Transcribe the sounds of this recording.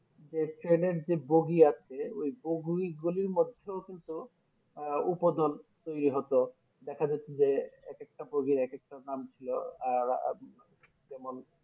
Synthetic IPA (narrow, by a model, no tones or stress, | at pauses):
d͡ʑeʈɾeneɾd͡ʑeboɡiat͡ɕʰeojboɡuiɡuliɾmod̪ʱːeokint̪u | upod̪ɔlt̪ojɾiɦɔt̪o | d̪ɛkʰad͡ʑatʰed͡ʑeɛkek̚ʈaboɡiɾɛkek̚ʈanamt͡ɕʰiloa | bemol